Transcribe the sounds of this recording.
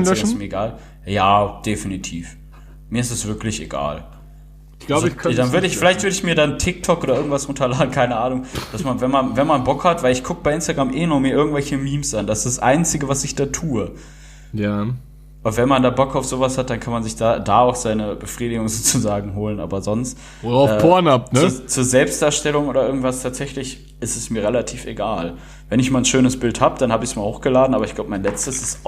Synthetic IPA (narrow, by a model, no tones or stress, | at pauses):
ssmiːɐeɡaːl | jaːd̥efinitʰiːf | miːɐɪstɛsv̥ɪɐklɪçḛɡa̰ːl̥ | lazdanvʏɐdəɪçffɪlaɪçtv̥ʏɐdəɪçmiːɐdantʰɪk̚tʰɔkʔoːdɐɪɐɡŋ̩tvasʔʊntɐlaːdn̩kʰaɪnəʔaːnʊŋd̥asmanvɛnmanvɛnmanbɔkhatv̥aɪlɪçɡ̥ʰʊkəb̥aɪɪnstaɡʁamʔeːnɔmiːɐɪɐɡŋ̩tvɛlçəmiːmsʔandasd̥asʔa̰ɪnt͡sɪɡəvasɪçd̥aːtʰuːə | ja | ʔʊntvɛnmandaːbɔkaʊfz̥oːvashat̚d̥ankʰanmanzɪçd̥aːdaːaʊxz̥aɪnəbəfʁ̥iːdɪɡʊŋzoːt͡suzaːɡŋ̩ɦoːlənʔa̰ːbɐzɔnst | ɛːpoɐnap̚nət͡suːɐzɛlpstd̥aːɐʃtɛlʊŋʔoːdɐʔɪɐɡŋ̩tv̥astʰaːtz̥ɛçlɪç | ʔɪstɛsmiːɐʁelatʰiːfḛɡaːl | vɛnɪçmaːnʃøːnəsb̥ɪlthaːbəd̥anhaːbəɪçsmaːhoːxɡ̥əlaːdn̩ʔaːbɐɪçɡ̥laʊbəmaɪnlɛt͡stəsɪs